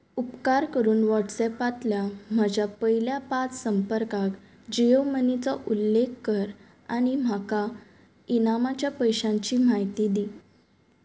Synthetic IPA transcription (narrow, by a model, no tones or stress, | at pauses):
upkaɾkəɾuːnʋɔʈsɛpat̪ljam̤ad͡ʑʱapəɦiljapat͡ssəmpəɾkak | d͡ʑijəmənit͡sɔʔulːekːəɾ | aɽ̃im̤aka | inamat͡ɕjapəjɕãɲt͡ɕiːmaɦit̪id̪i